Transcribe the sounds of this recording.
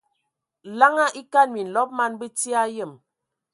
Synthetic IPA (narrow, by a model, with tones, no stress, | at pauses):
la˦ŋa˦ʔi˦ka˦˨nmi˨n̩˨lɔ˦p̚ma˦nbi˦ti˦a˦jə˦˨m